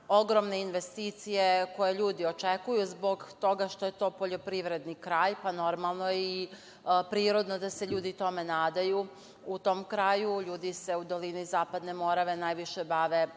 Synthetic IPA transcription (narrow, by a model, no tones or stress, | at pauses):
o̞ɡɾo̞mne̞inʋe̞st̪iːt̪sije̞ko̞jeʎuːd̪io̞t͡ʃekujuzbo̞ɡt̪o̞ɡaʃt̪o̞je̞t̪o̞ːpo̞ʎo̞pɾiʋɾe̞d̪nikɾaːjpano̞ɾmalˠno̞jii | pɾiːɾod̪no̞d̪ase̞ʎuːd̪it̪o̞me̞naːd̪aju | ut̪o̞mkɾaːjuʎuːd̪ise̞ud̪o̞linizaːpad̪ne̞mo̞ɾaʋe̞naːjʋiʃe̞baʋe̞